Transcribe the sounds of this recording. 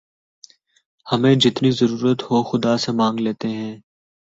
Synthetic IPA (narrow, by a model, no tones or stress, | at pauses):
hɐmẽːd͡ʒɪt̪nizəɾuːɾət̪hoxʊd̪asemãːŋɡleːt̪eɦɛ̃ː